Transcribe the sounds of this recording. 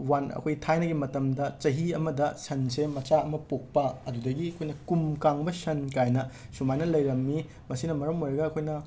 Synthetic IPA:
wanɐ̰kʰojtʰajnɐɡimɐtɐmdɐt͡ʃɐɦiɐmɐdɐsɐnsemɐt͡ʃaɐmɐpok̚pɐɐdudɐɡiɐkʰojnɐkumkaŋbɐsɐnkajnɐsumajnɐlɐjɾɐmːi | mɐsinɐmɐɾɐmojɾɐɡɐːkʰojnɐ

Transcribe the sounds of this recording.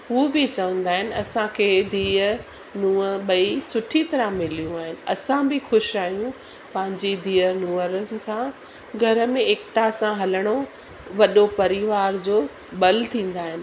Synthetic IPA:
ɦuobɪt͡ɕɐʋə̃nd̪aːɦɪnɪ̆ɐsãkʰeːd̪ʱiːə | nũːəɓɐisʊʈʰit̪ɐɾəmɪlijũaːɦɪnɪ̆ɐsãbɪxʊʃaːijũ | pɐ̃ɦɪ̃ɲd͡ʑed̪ʱiːənũːəɾənɪ̆sã | ɡʱɐɾə̆mẽeːkʈasãɦɐləɽ̃o | ʋɐɗopɐɾɪʋaːɾd͡ʑoː | ɓɐlt̪ʰĩːn̆d̪aːɦɪnɪ̆

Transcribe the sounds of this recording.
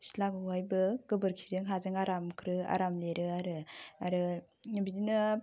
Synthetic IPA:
si̥laɡɯwajbɯɡ̥ɯbɯɾkʰi̥zɯŋɦazɯŋaɾamkʰɾɯa̰ɾamleɾɯaɾɯa̰ɾɯ | bidinɯ

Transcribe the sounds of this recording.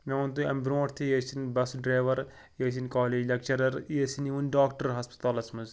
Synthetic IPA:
meɐnt̪uɐmbɾõːʈt̪ʰijesinbɐsɖɾaːʋɐɾ | jeːs̬inkaːleːd͡ʒlʲɐk̚t͡ʃɐɾɐɾiɐsiniunɖaːkʈɐɾɦɐspi̥t̪aːlɐsmɐz

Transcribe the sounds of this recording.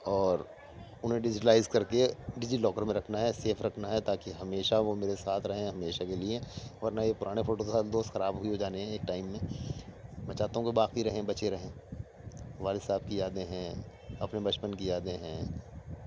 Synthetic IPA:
ɔːɾ | ʊnɦẽɖɪd͡ʒɪʈəlaːɪzkɐɾkeɖɪd͡ʒilɔːkəɾmẽɾɐkʰnaɦɛseːfʰɾɐkʰnaɦɛt̪aːkiɦɐmeːʃaʋomeːɾesaːt̪ʰɾɐɦẽɦɦɐmeːʃakelieɛʋɐɾnajepʊɾaːɽ̃efoːʈoksaːld̪oːst̪xɐɾaːbɦʊiɦod͡ʒaːneɦɛ̃eːk̚ʈaːɪmːẽ | mɐt͡ʃaːt̪õkebaːkiɾɐɦẽbɐt͡ʃeɾɐɦẽː | ʋaːlɪsaːb̚kiaːd̪eɦɛ̃ | ɐpnebɐt͡ʃpənkiaːd̪ẽɦɛ̃ː

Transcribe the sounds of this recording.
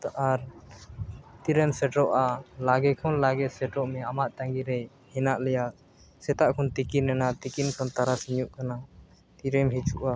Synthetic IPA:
ʔaɾ | t̪iɾɛmsɛʈɔʔalaɡɛkʰɔnlaɡɛt̪sɛʈɔʔmɛamaʔt̪ãŋɡiɾɛ | hɛnaʔlɛjaʔ | sɛt̪aʔkʰɔnt̪ikinnɛnat̪ikinkʰɔnt̪aɾasiɲuʔkana | t̪iɾɛmɦit͡ʃuʔa

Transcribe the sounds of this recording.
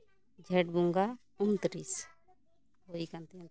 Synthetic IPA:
d͡ʒʱɛʈbũŋɡa | unt̪ɾis | oikant̪ẽn

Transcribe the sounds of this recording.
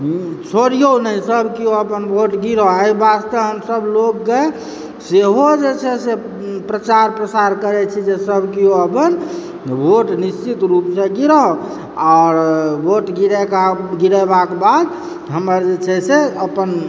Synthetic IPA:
t͡ʃʰoɾijonəisəbkioəpənboʈɡiɾɔaibast̪əɦəmsəblokːe | seɦod͡ʒet͡ʃʰɛse | pɾət͡ʃaɾpɾəsaɾkəɾɛt͡ʃʰid͡ʒesəbkioəpən | bʱoʈnist͡ʃit̪ɾupsẽɡiɾɔ | aːɾboʈɡiɾɛkaɡiɾɛbakebad̪ | ɦəməɾd͡ʒet͡ʃʰɛseəpən

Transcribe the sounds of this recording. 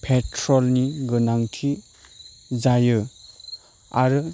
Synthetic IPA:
pʰetʰɾɔlniɡɯnaŋtʰi | zajɯ | aɾɯ

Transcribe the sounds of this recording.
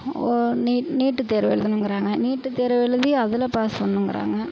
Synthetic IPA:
niːniːʈːɯt̪eːɾɐʋɛ̰ɭɯðɯnɯŋɡɪɾaːŋɡɐniːʈːɯt̪eːɾʋɛɭɯðiɐðɪlɐpaːspɐnːɯŋɡɪɾʔa̰ːŋɡɐ

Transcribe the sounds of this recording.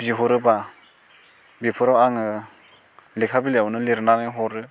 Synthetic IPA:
ziɦɔɾɯba | bipʰɯɾawaŋɯ | likʰabilewnɯliɾnanɯɦɔɾɯ

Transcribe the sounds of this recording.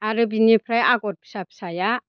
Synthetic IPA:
aɾɯbinipʰɾajaɡɔt̚pʰi̥sapsaja

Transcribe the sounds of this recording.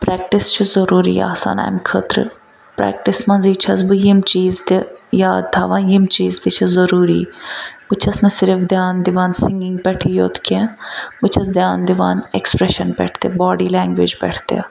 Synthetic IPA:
pɾɛːk̚ʈɪst͡ʃʰizɐɾuːɾḭːa̰ːsa̰ːna̰ːmkʰət̪ɾ | pɾɛ̰ːk̚ʈɪsmɐ̃nziːt͡ʃʰɐsbɨjimt͡ʃiːzt̪ejaːd̪̚t̪ʰaːʋãːjimt͡ʃiːzt̪it͡ʃʰizɐɾuːɾḭːbɨt͡ʃʰɐsnɐsɪɾfd̪jaːnd̪ɪʋaːnsɪ̃ŋɡɪ̃ŋɡpɛʈʰiːjoːt̪ʰkẽːbɨt͡ʃʰɐsd̪jaːnd̪iʋa̰ːnekspɾɛʃɐnpɛ̰ːʈʰt̪ebɔːɖiːlɛːŋɡʋḛd͡ʒpɛ̰ʈʰt̪ḛa

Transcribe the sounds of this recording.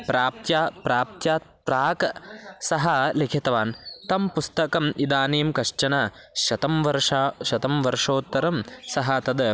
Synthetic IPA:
pɾaːp̚t̪jaːpɾaːp̚t̪jaːt̪̚ | pɾaːksɐɦɐlekʰit̪ɐʋaːnt̪ɐmpust̪ɐkɐmʔid̪aːneːmkɐʂt͡ʃɐnɐ | ʃɐt̪ɐmʋɐɾʂaʃɐt̪ɐmʋɐɾʂoːt̪ːɐɾɐmsɐɦɐt̪ɐd̪

